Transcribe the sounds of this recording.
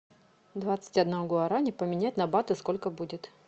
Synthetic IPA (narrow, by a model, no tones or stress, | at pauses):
d̪vat̪sɨ̥tʲɐd̪nɐvoɡoɐɾanʲɪpəmʲɪnʲætʲnɐbat̪ɨsko̞lʲkəbudʲɪt̪